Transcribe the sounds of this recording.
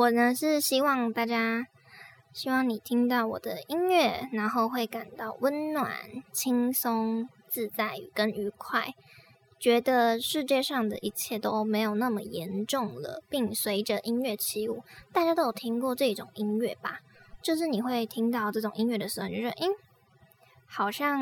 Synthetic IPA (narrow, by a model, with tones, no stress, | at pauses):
wɔ˨˩nə˧˦ʂɻ̩˥˩ɕi˥wɑ˥˧ŋt̪a˥˩t͡ɕja˥ | ɕi˥wɑ˥˩ŋni˨˩t̪ʰi˥ŋt̪ɑ˥˩ʊwɔ̰˨˩d̪ə˦i˥nɥɛ˥˩na˧˥nxo˥˧ʊxwe˥˩ɪka˨˩nt̪ɑ˥˩ʊwə˦˥nnwa̰˨˩˦nt͡ɕʰi˥ŋsʊ˥ŋ | t͡sɹ̩˥˧t͡sa˥˩ɪy̰˨˩kə˦ny˧˥kʰwa˥˩ɪ | t͡ɕɥɛ˧˥d̪ə˧ʂɻ̩˥˧t͡ɕjɛ˥˧ʂɑ˥˩ŋd̪ə̰˨ʔi˧˦˥t͡ɕʰjɛ˥˩t̪o˥ʊme˧˥ɪjo˨˩ʊna˥˩mə˩jɛ˧˥nʈ͡ʂʊ˥˩ŋdlə̰˩pi˥˩ŋswe˧˥ɪʈ͡ʂə˧˨ʔi˥nɥɛ˥˩t͡ɕʰi˧˥u˥˩t̪a˥˩t͡ɕja˥o˥jt̪ʰi˥ŋkwɔ˥˧ʈ͡ʂɤ˥˧i˥ʈ͡ʂʊ˨˩ŋi˥nɥɛ̰˥˩b̥a̰˨˩t͡ɕjo˥˧ʊʂ̬ɻ̩˥˩ni˨˩xwe˥˩ɪt̪ʰi˥ŋt̪ɑ˥˧ʊʈ͡ʂɤ˥˩ʈ͡ʂʊ˨˩ŋʔi˥nɥɛ˥˩d̪ə˩ʂɻ̩˧˥xo˥˩˨ɛ˥˦ʔ̩˥˦ | xɑ˨˩ʊɕjɑ˥˩ŋ